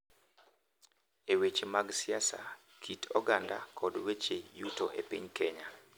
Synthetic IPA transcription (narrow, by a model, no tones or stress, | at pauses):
ewet͡ʃemaɡsɪasa̰ | kʰitʰɔɡanda̰kʰɔdwet͡ʃejutoʔepiɲkeɲa